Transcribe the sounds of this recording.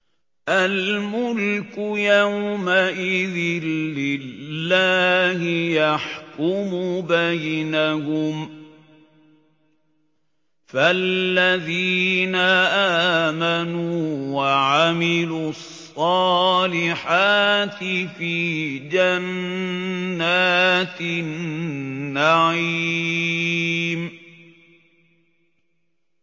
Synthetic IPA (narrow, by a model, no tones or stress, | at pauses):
ʔalmʊlkʊjawmaʔɪðɪnːɪlːaːhɪjaħkʊmubajnahʊm | falːaðiːnaʔaːmanuːwaʕamɪluːɑsˤːɑːlɪħaːt̪ɪfiːd͡ʒanː | aːt̪nː | aʕi | m